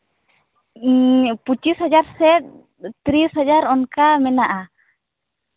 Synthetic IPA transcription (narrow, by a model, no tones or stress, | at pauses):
put͡ʃisɦad͡ʒaɾsɛt̪̚ | t̪ɾisɦad͡ʒaɾɔnkamɛnaʔa